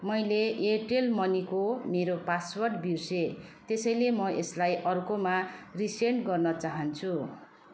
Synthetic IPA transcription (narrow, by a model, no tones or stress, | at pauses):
mʌjleeʈelmʌnikomeɾopaswʌrʈbirset̪esʌjlemʌʔeslajʔʌrkomariseɳʈɡʌrnʌt͡saɦʌnt͡sʰu